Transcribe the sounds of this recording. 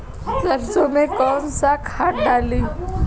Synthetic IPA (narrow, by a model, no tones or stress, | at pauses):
t͡səɾsomekɔnsakʰaʈ̚ɖali